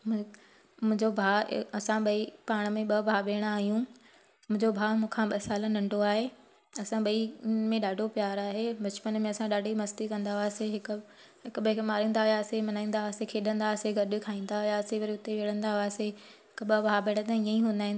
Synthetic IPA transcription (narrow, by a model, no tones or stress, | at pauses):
mʊ̃ | mʊ̃ɦɪ̃ɲd͡ʑobʱaːɐsãɓɐipaːɽ̃ə̆mẽɓɐbʱaːɓeːɽ̃aːɦijũ | mʊ̃ɦɪ̃ɲd͡ʑobʱaːmũːkʰãɓɐsaːlənɐ̃ɳɖʱoaːɦe | ɐsãɓɐimẽɗaːɖʱopjaːɾaːɦebɐt͡ɕpənmẽɐsãɗaːɖʱimɐst̪ikɐ̃nd̪aʋaːseɦɪkʊ | ɦɪkɓɐkmaːɾĩːn̆d̪aɦʊjasemɐnaːĩːn̆d̪aʋaːsekʰeːɗə̃nd̪aseɡɐɾɗɪkʰaːĩːn̆d̪aɦʊjaːseʋɐɾiʊt̪eʋeːɽə̃nd̪aɦʊaːseɦɦɪkɓɐbʱaːbeːɽ̃t̪ə̃iːə̃ĩɦũːnd̪aːɦĩnd̪